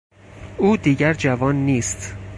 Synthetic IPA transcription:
ʔuːd̪iːɟæɾd͡ʒævɒːnːiːst̪

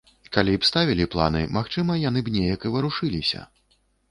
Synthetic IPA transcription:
kalʲipst̪avʲilʲiplˠa̰nɨmaxt͡ʂɨmɐjan̪ɨbnʲejɐkɨvɨɾuʂɨlʲisʲɐ̰

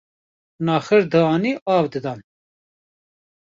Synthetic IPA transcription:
nɑːxɨɾd̪ɨɑːniːʔɑːvd̪ɨd̪ɑn

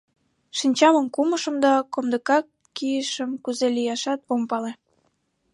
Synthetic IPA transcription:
ʃinʲt͡ɕɑməmkuməʃə̆md̪ɑkomd̪əkɑkːijəʃəmkuzelijɑʃɑt̪̚ompɑle

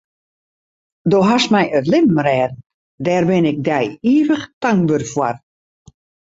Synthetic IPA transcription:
doɦasmɛjərlɪmmrɛːdn | dɛːrbɪnɪk̚dɛjiːvəχtaŋbørfwar

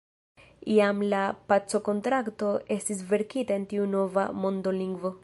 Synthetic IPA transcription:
iamlapat͡so̞ko̞ntɾakto̞e̞stis̬ve̞ɾkitae̞ntiuno̞vamo̞ndo̞liŋɡvo̞

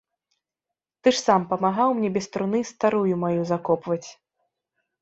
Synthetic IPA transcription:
t̪ɨʂsampɐmaɣawmnʲɛbʲɛst̪ɾunɨst̪aɾujumajuzakɔpvɐt͡sʲ

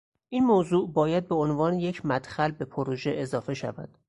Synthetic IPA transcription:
ʔiːnmoːzuːʔbɒːjæd̪̚be̞onvɒːneje̞cʰmæd̪̥xælbe̞pʰoɾoʒe̞ʔezɒːfe̞ʃæ̰væ̰d̪̥

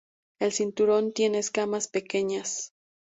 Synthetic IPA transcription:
e̞lsint̪uɾo̞nt̪je̞ne̞ːskamaspe̞ke̞ɲas

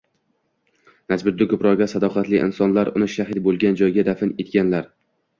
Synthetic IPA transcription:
nasbʊd̪ːɪkʰɵpɾɒʁɡʲasad̪ɒqʰɑt̪lɪʔɪ̰nsɒnlaɾʊnɪʃaɦɪt̪̚bolˠɡʲand͡ʒɒjɡʲad̪afɪnet̪kʲanlaɾ

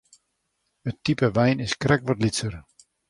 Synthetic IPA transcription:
ətːipəʋɛjnɪskrɛkʋɔtlitsər

